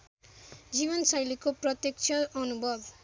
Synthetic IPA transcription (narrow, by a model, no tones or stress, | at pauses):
d͡ziβʌnsʌjlikoprʌt̪jʌk̚t͡sʰʌʌnubʌd̪